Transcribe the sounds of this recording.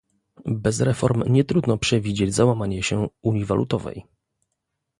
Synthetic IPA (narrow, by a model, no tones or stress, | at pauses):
bɛzɾɛfɔɾmɲɛt̪ɾud̪nɔpʂɛvʲid͡ʑed͡ʑzawamaɲɛɕɛuɲiva̰lʔṵt̪ɔvɛ̰j